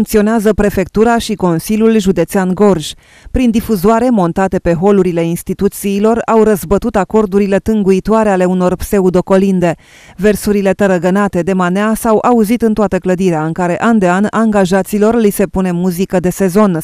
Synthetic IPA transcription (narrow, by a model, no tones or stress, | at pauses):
uŋk̚t̪sio̞neazəpɾe̞fe̞k̚t̪uɾaʃiko̞nsilʲjulʒud̪e̞t̪seanɡo̞rʒ | pɾind̪ifuzoaɾe̞mo̞nt̪at̪e̞pe̞ɦo̞luɾile̞inst̪it̪ut̪siːlo̞rawɾəzbət̪ut̪ako̞rd̪uɾile̞t̪ɨŋɡuit̪oaɾe̞ale̞uno̞rpse̞ud̪o̞ko̞lind̪e̞ | ve̞rsuɾile̞t̪əɾəɡənat̪e̞d̪e̞maneasawʔauzit̪ɨnt̪oat̪əkləd̪iɾeaɨŋkaɾe̞ʔand̪e̞anaŋɡaʒat̪silo̞rlise̞pune̞muzikəd̪e̞se̞zo̞n